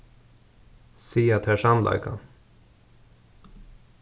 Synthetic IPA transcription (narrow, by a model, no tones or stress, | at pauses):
siːat̪ʰɛʂanla̰jka̰